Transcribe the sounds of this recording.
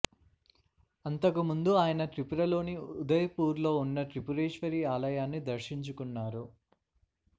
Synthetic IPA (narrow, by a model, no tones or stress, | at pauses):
ɐnt̪ɐkumund̪uaːjɐnɐʈɾipuɾɐlo̞ːniud̪ɐjɐpuːɾlo̞ːunːɐʈɾipuɾeːʂʋɐɾiːaːlɐjaːnːid̪ɐɾʂiɲt͡ʃukunːaːɾu